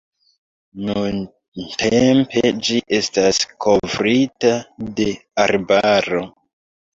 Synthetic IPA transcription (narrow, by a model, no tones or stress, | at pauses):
nun | tempe̞d͡ʒiʔe̞staskʰo̞vɾitade̞aɾbaɾo̞